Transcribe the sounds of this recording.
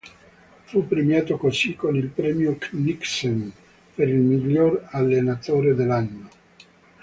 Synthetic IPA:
fupːɾemjaːt̪okosikːonilpɾɛːmjokniksem | peɾilmiʎːoralːenat̪oːɾed̪elːanːo

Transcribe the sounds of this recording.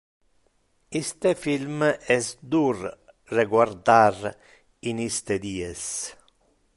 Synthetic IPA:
ist̪efilmɛsd̪ur | reɡward̪ar | inist̪ed̪iːɛs

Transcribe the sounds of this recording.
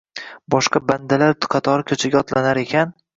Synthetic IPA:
bɒʃqɑband̪alaɾqʰɑt̪ʰɒɾɪkʲʰɵt͡ʃʰɪɡʲaɒt̪lanaɾe̞kʲʰan

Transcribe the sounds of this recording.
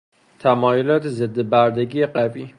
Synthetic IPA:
t̪ʰæmɒːjolɒːt̪ʰezed̪ːebæɾd̪eɡiːjeɢæviː

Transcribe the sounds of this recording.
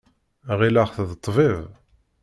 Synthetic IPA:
ʁilaχθðət̪ˤːviv

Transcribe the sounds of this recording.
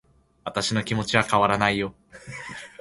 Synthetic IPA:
βat̪aɕino̞kʲimo̞t͡ɕiβakaβaɾanaijo̞

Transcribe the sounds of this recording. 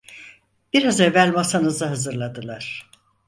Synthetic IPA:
b̥iɾazevælʲmasanɯzaɦazɯɾlˠad̪ɯlˠaɾ̥

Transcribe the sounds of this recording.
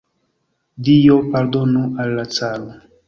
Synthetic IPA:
dijopaɾdonuʔalːat͡salo

